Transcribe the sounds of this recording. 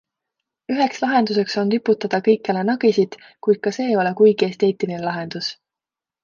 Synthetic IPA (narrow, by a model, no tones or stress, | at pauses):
yɦe̞kslɑɦe̞nd̪̥us̬e̞kso̞nt̪ypːˑut̪ːˑɑd̪̥ɑkɤjkːˑelenɑɡ̥isid̪̥ | kujd̪̥̚kɑse̞ːo̞le̞kujɡ̥ie̞st̪e̞ːt̪ˑilinelɑɦe̞nd̪̥us